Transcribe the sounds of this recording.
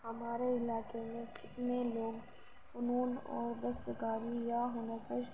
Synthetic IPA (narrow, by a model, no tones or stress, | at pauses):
hɐmaːɾeɪlaːkemẽkɪt̪neloːɡ | ʊnuːnɔ̰ːɾd̪ɐst̪kaːɾijaɦʊnəkɪʃ